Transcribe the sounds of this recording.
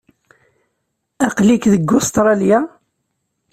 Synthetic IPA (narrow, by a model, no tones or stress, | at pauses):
æqlikðəɡːʊst̪ɾˤɑlja